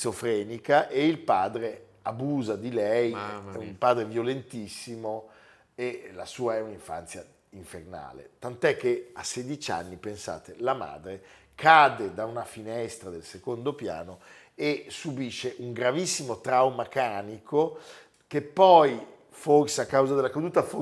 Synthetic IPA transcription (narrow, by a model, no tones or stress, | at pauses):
sofɾɛːnikaʔeilpaːd̪ɾe | abuːzad̪ilɛjɛumpaːd̪ɾevjolent̪isːimo | ela̰suːaɛuniɱfa̰nt̪sja | iɱferna̰ːlḛt̪ant̪ɛkːea̰sːed̪it͡ʃa̰nːipensa̰ːt̪elama̰ːd̪ɾe | kaːd̪ed̪aunafinɛst̪ɾad̪elsekond̪opja̰ːno | esubiʃːeʔuŋɡɾavisːimot̪ɾawmakaːnikʰo | kepːɔj | forseakːawzad̪elakad̪uːt̪afo